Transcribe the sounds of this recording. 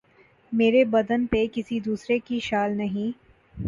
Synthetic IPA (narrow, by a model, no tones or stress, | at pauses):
meːɾebɐd̪ənpekɪsid̪uːsɾekiʃaːlnɐɦĩ